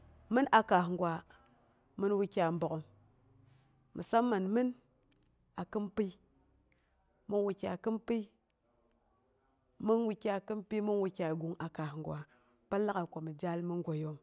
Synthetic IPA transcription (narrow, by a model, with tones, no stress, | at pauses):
mɨ˦na˨ka˨hŋ˨ɡʷa˨ | mɨ˦nwi˦kʲa˨m̩˦bo˨ko˨ŋ | mḭ˨sa˦mːa˨nmɨ˦n | a˨kɨ˦mpi˦ | mɨ˦nwu˨kʲa˨kɨ˦mpi˦ | mɨ˦nwi˦kʲa˦˨kɨ˦mpi˦mu˦nwu˧kʲa˨ɡu˨ŋa˨ka˨hŋ˨ɡʷa˨ | pa˦lːa˦ka˨kʷa˨mi˨d͡ʒa˦lmɨ˦ŋ˦ɡʷo˨jo˦ŋ